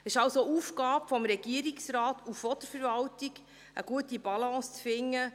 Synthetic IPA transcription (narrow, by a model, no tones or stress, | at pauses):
ɪʃɑwsoʔuːfɡɑːpfɔmɾɛɡ̥iəɾɪksɾɑːtuɔt̪əɾfəɾvɑltiɡ | ə̰ɡ̥uətibɑlɑ̃ːst͡sfɪŋːə